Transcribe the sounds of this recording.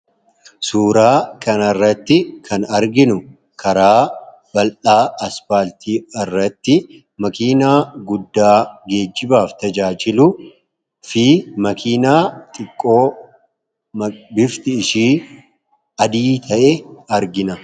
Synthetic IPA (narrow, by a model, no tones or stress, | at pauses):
suːɾaːkɐnɐrːɐt̪ːɪkʰɐnɐɾɡɪnʊ | kʰɐɾaː | b̥ɐlʔaːɐspaːlt̪ʰiːɪrːɐt̪ːɪ | mɐkiːnaːɡʊd̪ːaːɡe̞ːd͡ʒːɪbaːft̪ɐd͡ʒaːd͡ʒɪlʊ | fimɐkʰiːnaːt̪ʼɪkʼːo̞ː | bɪft̪ɪːʃiː | ɐd̪iːt̪ʰɐʔɛɐɾɡɪnɐ